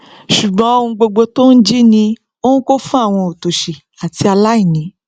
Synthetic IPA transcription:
ʃu˨ɡ͡bɔ̃˨˦o˧ũ˧ɡ͡bo˧ɡ͡bo˧to˦n̩˦d͡ʒi˦nĩ˧ | o˦nũ˦ko˦fũ˦a˦˨w̃ɔ̃˧o˨to˨ʃe˨ | a˨ti˧a˧la˦i˦˨nĩ˨˦

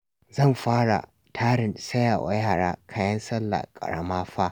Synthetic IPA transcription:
zɐ˦˨mɸaː˦ɽa̰˨ | tʰaː˦ɽɪ˨nsɐ˦jaː˨wa̰˦jaaː˦˨ɽaː˦kʰaː˦jɐ˦nsɐ˦lːa̰˨kʼɐ̰˨ɽɐ̰˨maː˦ɸaː˦

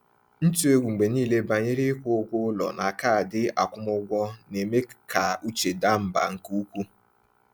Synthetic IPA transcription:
n̩˦tu˦e˦ɡʷu˨ŋ͡m̩˨ɡ͡be˨niː˦˨le˦ba˨ɲe˦ɾɪ˦kʷʊ˦ʊ˦ɡʷʊ˦lɔ̰˨na˨ka˦˨a˨dɪ˦a˨kʷʊ˦mʊ˦ɡʷɔ˦ne˨me˦ka˨u˦t͡ʃe˨da˦m̩˦ba̰˨ŋ̩˨ku˦kʷu˦

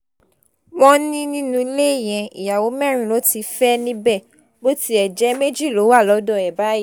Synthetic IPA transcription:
wɔ̃˦nĩ˦nĩ˦nũ˧i˧le˦˨j̃ɛ̃˧ḭ˨ja˨wo˨˦mɛ˦˨ɾ̃ĩ˨lo˨˦ti˧fɛ˦nĩ˦bɛ˦˨ | bo˦ti˦ɛ˨d͡ʒɛ˨˦me˦d͡ʒi˦˨lo˨˦wa˦˨lɔ˨˧˦dɔ˦˨ɛ˨ba˦i˦˨

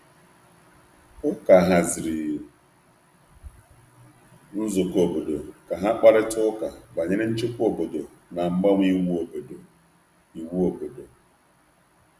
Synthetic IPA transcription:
ʊ˦ka˨ɦa˨zɪ˨ɾɪ˨ | n̩˦zʊ˨ko˨bo˨do˨ka˨ɦa˦k͡pa˦ɾɪ˦tʊ˦ka˨ba˨ɲɪ˦ɾɪ˦n̩˦t͡ʃɪ˦kʷo˨bo˨do˨ | na˨ŋ͡m̩˨˦ɡ͡ba˦ŋʷ˦i˦wo˨bdo˨ | i˨wu˦o˨bo˨do˨

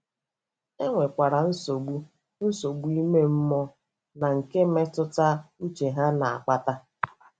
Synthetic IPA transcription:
e˦ŋʷe˨kʷa˨ɾa˨n̩˦so˨ɡu˦ | n̩˦so˨ɡu˦i˦me˦m̩˦mɔ˦ | na˨ŋ̩˨ke˦me˦tʊ˦ta˦n̩˦t͡ʃe˨ɦa˦na˨a̰˨k͡pa˦ta˦

